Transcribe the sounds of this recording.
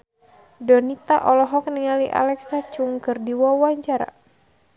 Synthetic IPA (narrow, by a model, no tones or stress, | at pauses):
dɔnit̪aʔɔlɔɦɔk̚niŋaliʔa̰lɛksat͡ʃuŋkɨrdiwawaɲt͡ʃaɾa̰